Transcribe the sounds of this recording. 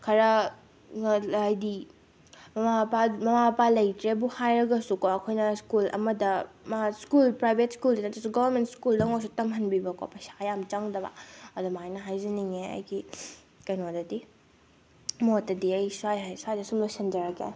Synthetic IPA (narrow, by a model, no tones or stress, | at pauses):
kʰɐɾɐ | jdi | mɐmapamɐmapalɐjtɾebuhajɾɐɡɐsukoɐkʰojnɐskulɐ̰mɐdɐmaskulpɾajbʱetskuldinɐtɐsuɡɔbɐɾmentskuldɐŋosutɐmɦɐnbibɐko̰pʰɐsḁjamt͡ʃɐŋdɐba̰ɐdɔmajnɐɦajzɐniŋeɐ̰jɡi | kɐjnodɐdi | motːɐdiɐjsuajɦajsajdɐsumlosɐnd͡ʒɐɾɐkḛ